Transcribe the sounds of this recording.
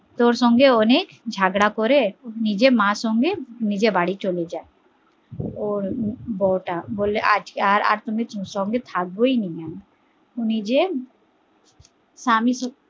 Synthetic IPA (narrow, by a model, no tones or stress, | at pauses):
t̪oːɾsɔ̃ŋɡeoneːkd͡ʒʱaːɡɽakɔɾenid͡ʒemãːsɔ̃ŋɡenid͡ʒebaːɽit͡ʃoled͡ʒaːe | ɔːɾbɔːʈaboːleʔa̰ːd͡ʒkaːɾa̰ːɾt̪ʊmẽsɔ̃ŋɡet̪ʰaːk̚boinian | ʊnid͡ʒe | saːmisɔ